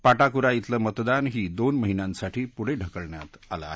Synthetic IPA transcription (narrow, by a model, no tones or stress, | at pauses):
paʈakuɾait̪ləmət̪d̪anɦiːd̪onməɦinjãnsaʈʰiːpuɽ̤eɖʱəkəɭɳja̰t̪a̰la̰ːɦ